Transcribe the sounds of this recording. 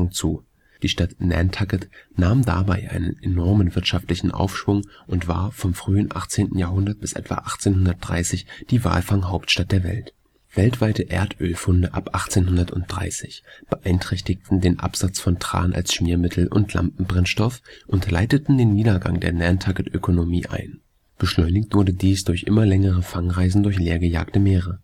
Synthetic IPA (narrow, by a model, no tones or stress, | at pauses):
ŋt͡suː | d̥iːʃtatnɛ̰ntʰaɡətnaːmda̰baɪʔa̰ɪnənenɔɐmənvɪɐtʃaftlɪçn̩ʔa̰ʊfʃv̥ʊŋ | ʔʊntv̥a̰ːɐfɔmfʁ̥yːənʔa̰χt͡seːntn̩jaːɐɦʊndɐt̚b̥ɪsʔɛ̰tv̥a̰ːʔaχt͡seːnhʊndɐt̚d̥ʁa̰ɪsɪçd̥iːva̰ːlfaŋɦaʊptʃtat̚d̥eːɐvɛ̰lt | v̥ɛltv̥aɪtəʔeːɐtʰʔøːlfʊndəʔapʔaχt͡seːnhʊndɐtʊnt̚d̥ʁa̰ɪsɪçb̥əʔaɪntʁ̥ɛçtɪk̚tn̩deːnʔa̰pz̥at͡sfɔntʁ̥a̰ːnʔa̰lsʃmiːɐmɪtʰl̩ʔʊ̰ntʰla̰mpm̩bʁɛnʃtɔfʔʊntlaɪtətn̩deːniːdɐɡa̰ŋdeːɐnɛɐntʰaɡətʔøkʰonomiːʔa̰ɪn | b̥əʃlɔʏnɪçtv̥ʊɐdədiːsd̥ʊɐçʔɪ̰mɐlɛŋəʁəfaŋʁaɪzn̩dʊɐçleːɐɡəja̰ːktəmeːʁə